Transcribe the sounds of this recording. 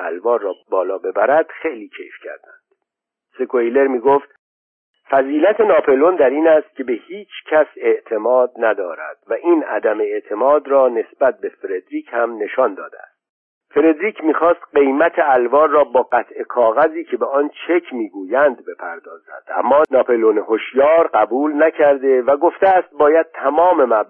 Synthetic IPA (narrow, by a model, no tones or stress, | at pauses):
æ̰lvɒːrɒːbɒːlɒːbe̞bæɾæd̪̥xe̞jliːcʰḛjfcʰæ̰ɾd̪̥ænd̪̥ | sekʰojle̞ɾmiːɡoft̪ | fæziːlæt̪ʰe̞nɒːpʰolond̪æɾiːnæst̪̚cʲe̞be̞hiːt͡ʃʰcʰæse̞ʔt̪ʰe̞mɒːd̪̚næd̪ɒːɾæ̰d̪̥væʔiːnæd̪æme̞eʔt̪ʰe̞mɒːd̪rɒːne̞sbæt̪̚be̞feɾed̪ɾiːcʰhæmne̞ʃɒːnd̪ɒ̰ːd̪ḛæ̰st̪̚ | fe̞ɾe̞d̪ɾiːcʰmiːxɒːst̪ɢe̞jmæt̪ʰeælvɒːɾrɒːbɒːɢæt̪ʰe̞kʰɒːɣæziːcʰe̞beɒnt͡ʃʰe̞cʰmiːɡuːjænd̪be̞pʰæɾd̪ɒːzæ̰nd̪̥æ̰mːɒːnɒːpʰolonehoʃjɒːɾɢæbuːlnæcʰæɾd̪e̞væɡo̞ft̪eæst̪̚bɒːjæd̪̚t̪ʰæmɒːme̞mæb